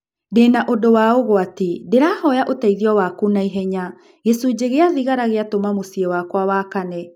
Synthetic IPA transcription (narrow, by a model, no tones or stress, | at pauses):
denaʔodowaoɣoatedeɾaːhɔjaʔotaiðiɔwakunaiɦɛɲa | ɣesud͡ʑeɣeaðiɣaɾaɣeatomamosiewakwawakanɛ